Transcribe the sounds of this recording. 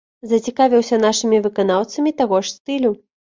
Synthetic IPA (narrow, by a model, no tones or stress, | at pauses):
zɐt͡sʲikavʲiwsʲɐnaʂɨmʲivɨkanawt̪sɐmʲit̪aɣɔʂsʲt̪ɨlʲu